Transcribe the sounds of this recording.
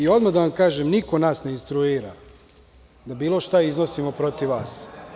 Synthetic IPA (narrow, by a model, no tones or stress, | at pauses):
io̞d̪mad̪aʋamkaːʒemniko̞naːsne̞inst̪ɾuiːɾa̰ | d̪abiːlˠo̞ʃt̪aizno̞simo̞pɾo̞t̪iʋʋaːs